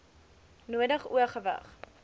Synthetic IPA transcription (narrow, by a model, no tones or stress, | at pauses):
nuədəχuəχəvə̰χ